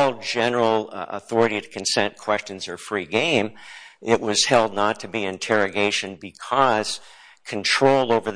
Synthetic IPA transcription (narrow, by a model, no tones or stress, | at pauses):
lˠd͡ʒɛnə˞l̩ˠə̰θɔɹɨɾiɾɨkʰnsɛ̃nkʰw̥ɛst͡ʃɨ̃nzə˞fɹiɡẽɪ̃mɪʔ̚wʌz̥hɛlˠdⁿnətʰɨbiɨ̃ntʰɛɹɨɡeɪʃɨ̃nbɨkʰʌz̥ | kʰɨ̃ntʰɹ̥oʊlˠoʊvə˞